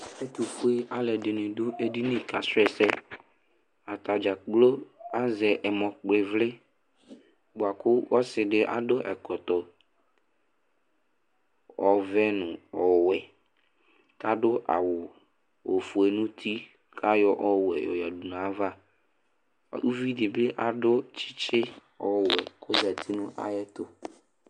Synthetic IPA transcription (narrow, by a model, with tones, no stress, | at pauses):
e˦t̪u˨ku˦e˦a˦lɛ˨dɪ˨nɪ̃˨dʊ˦e˦di˦nɪ̃˦ka˨sʊ˦ɛ˨sɛ˦ | a˨t̪a˨d͡ʒa˨ɡ͡blo˦a˦zɛ˨ʔɛ˨mɔ˨k͡plɪ˨vlɪ˦ | bʊ˨a˨kʊ˦wɔ˦sɪ˨ɖɪ˦ʔa̰˦dʊ˦ʔɛ˨kɔ˨t̪ɔ˨ | ɔ˨vɛ˦nʊ̃˨ɔ˨wɛ˨ | ka˦dʊ˦ʔa̰˨wʊ˨ | o˨fu˨e˨nũ˦t̪ʰi˦ | kʰa˦jɔ˦ʔɔ˦wɛ˨jɔ̰˨ja˨du˨n˨a˦va˦˨ | u˦vi˦dɪ˨bɪ˦ʔa˨dʊ˦t͡ʃɪ̥˦t͡ʃɪ˦ | ɔ˨wɛ˨kʰʊ˦za˨t̪ʰi˦nʊ̃˦ʔa̰˨jɛ˦t̪ʊ˦